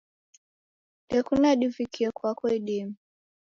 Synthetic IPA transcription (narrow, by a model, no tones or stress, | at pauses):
ɗɛkunaɗivikʰiɛkwakɔiɗimi